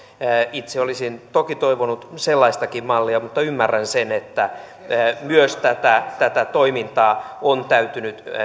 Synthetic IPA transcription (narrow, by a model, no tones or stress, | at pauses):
it̪seolisint̪okit̪oiʋonut̪selːɑist̪ɑkimmɑlːiɑmut̪ːɑymːærːænsenet̪ːæː | myøst̪æt̪æt̪æt̪æt̪oimint̪ɑːont̪æyt̪ynyt̪